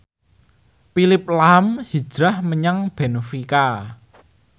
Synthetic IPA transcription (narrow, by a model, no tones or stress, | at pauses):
pilɪp̚lamhi̥ʒ̥ɾahməɲaŋb̥enofika